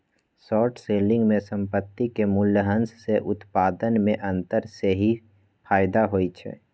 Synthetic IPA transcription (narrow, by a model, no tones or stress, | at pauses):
sɔːʈseːlɪ̃ŋɡmẽsə̃mpət̪ːikemʊljəɦə̃nsseʔʊt̪paːd̪ənmẽʔə̃nt̪əɾseɦi | pʰaːjd̪aɦoːit͡ʃʰɛ̰ː